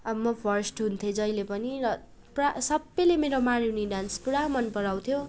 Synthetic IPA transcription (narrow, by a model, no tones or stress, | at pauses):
ʌmʌpʰʌrsʈɦunt̪ʰjed͡zʌjlepʌniɾʌ | prasʌbːʌjlemeɾomaɾuwniɖanspuɽamʌnpʌɾaw̃t̪ʰjo